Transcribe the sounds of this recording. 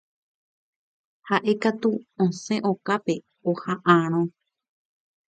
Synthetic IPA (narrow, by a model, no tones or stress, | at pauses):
haʔe̞kat̪uõsẽʔo̞kape̞ | ohãʔãɾ̃õ